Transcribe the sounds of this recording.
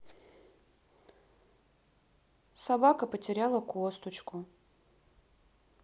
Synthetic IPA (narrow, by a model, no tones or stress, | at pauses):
sɐbakəpətʲɪɾʲalˠəkost̪ʊt͡ɕkʊ